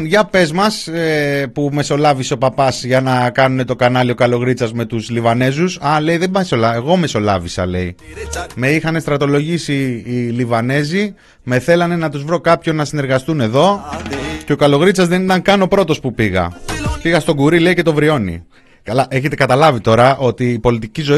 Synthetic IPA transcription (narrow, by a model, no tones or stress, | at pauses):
ʝɐpe̞zmɐsepume̞so̞lɐviseo̞pɐpɐsʝɐnɐkɐnune̞t̪o̞kɐnɐlio̞kɐlo̞ɣɾit͡sɐzme̞t̪uzlivɐne̞zusɐle̞iðemɐsolɐeɣo̞me̞so̞lɐ̰visɐ̰le̞̰ime̞ixɐne̞st̪ɾɐt̪o̞lo̞ʝisiːlivɐne̞zi | me̞θe̞lɐne̞nɐt̪uzvɾo̞kɐpço̞nːɐsine̞ɾɣɐst̪une̞ðo̞ | ceo̞kɐlo̞ɣɾit͡sɐzðe̞nit̪ɐŋkɐno̞pɾo̞t̪o̞spupiɣɐ̰piɣɐst̪o̞ɡuɾile̞ice̞t̪o̞vɾio̞nḭ | ɐlɐʔeçet̪e̞kɐt̪ɐlɐvit̪o̞ɾɐʔo̞t̪iːpo̞lit̪icizo̞